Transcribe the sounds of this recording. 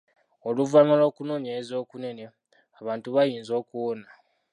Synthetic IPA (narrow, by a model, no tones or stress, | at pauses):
oluvanalo̞ːkunoːneːzo̞ːkune̞ne̞ | aβaːntuβajiːnzo̞ːkuwona